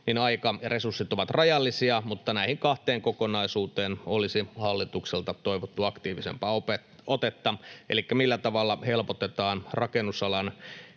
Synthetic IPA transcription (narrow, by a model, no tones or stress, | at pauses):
ninɑikɑresursːit̪oʋɑt̪rɑjɑlːisiɑmut̪ːɑnæihiŋkɑht̪eːŋkokonɑisuːt̪eːnolisihɑlːit̪ukselt̪ɑt̪oiʋot̪ːuɑkt̪iːʋisḛmpɑope | ot̪et̪ːɑʔelikːæmilːæt̪ɑʋɑlːɑhelpot̪et̪ɑːnrɑkenːˑusɑlɑn